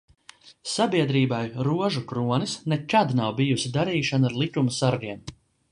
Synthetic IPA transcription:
sabiɛd̪ɾiːbajɾuɔʒukɾuɔnisnɛkad̪nawbijusid̪aɾiːʃanaɾlˠikumusaɾɡiɛm

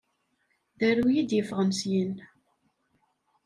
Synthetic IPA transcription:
ðæɾujid̪jəfəʁəmsjin

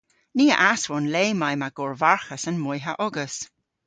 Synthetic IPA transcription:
niːə̰ʔaswɔnleːmajmaɡ̥ɔɹvaɹxəsənmɔjɦaʔɔɡəs

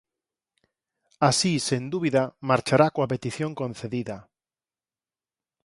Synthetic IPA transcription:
asisend̪uβiðamaɾt͡ʃaɾakoapet̪iθjoŋkõn̟θeðiða

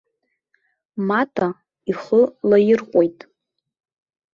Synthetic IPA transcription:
matʰʼa | iχəlajɪrqʷʼojtʼ

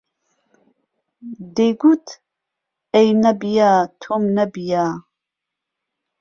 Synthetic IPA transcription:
d̪eɡut̪ʰ | ejnɐbijaːt̪ʰomnɐbijaː

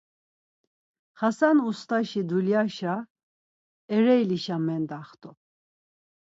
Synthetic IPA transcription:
χasanust̪ʰʼaʃid̪uljaʃa | ɛɾɛjliʃamɛnd̪aχt̪ʰʼɔ

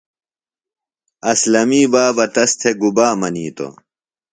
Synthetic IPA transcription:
ɐslɐmiːbaːbɐt̪ɐst̪ʰeɡubaːmɐniːt̪o̰

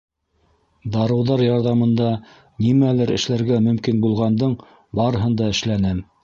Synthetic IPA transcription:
d̪ɑɾɤ̆wðɑɾjɑɾðɑmɤ̆nd̪ɑ | nimælɘɾɘ̰̆ʃlæɾɡæmɵ̆mkinbulˠʁɑnd̪ɤɴ | bɑɾɤ̆ɦɤnd̪ɑɘ̆ʃlænɘm

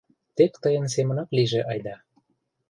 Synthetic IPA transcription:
t̪ekt̪əjə̆ns̬emə̆nɑkliʒeʔɑjd̪ɑ

